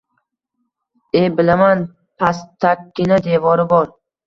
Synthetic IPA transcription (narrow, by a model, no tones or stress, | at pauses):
ebɪlaman | pʰast̪ʰːakʲːɪnad̪e̞vɒɾɪbɒɾ